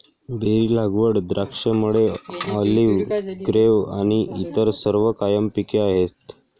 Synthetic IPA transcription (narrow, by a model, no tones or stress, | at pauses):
beɾiːlaɡʋəɽd̪ɾakʂəmuɽeɔliʋɡɾeʋa̰ɽ̃iʔit̪əɾsəɾʋəkajəmpikeaɦet̪